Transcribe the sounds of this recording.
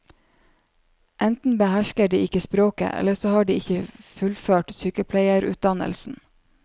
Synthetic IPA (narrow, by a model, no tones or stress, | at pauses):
ʔɛnt̪n̩bəhæʃkəɖiːɪkəspɾoːkə̰ʔɛ̰ləsoːhɑːɖiːɪçəfʉlføːʈsyːkəpʰlæɪəɾʔʉ̰ːt̪̚d̪ɑnə̰lsn̩